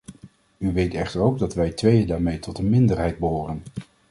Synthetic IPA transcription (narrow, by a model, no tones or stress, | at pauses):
yʋejtɛχtəɹowɡ̚dɑtʋɛjtʋejədaːɹmejtɔtənmɪndəɹɦɛjd̚bəɦoːrən